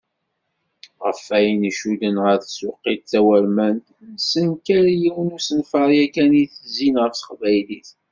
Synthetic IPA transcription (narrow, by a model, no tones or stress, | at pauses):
ʁəfæjnəʃud̪ənʁəɾθsʊqːid̪̚θæwæɾmænt̪nəsənkæɾjiwənusənfəɾˤjækæniθəzinʁəɾsə̥χvæjliθ